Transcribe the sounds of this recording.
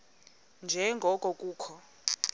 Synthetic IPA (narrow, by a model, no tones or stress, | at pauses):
nd͡ʒʱɛŋɡʱɔkʼɔkʼuːkʰɔ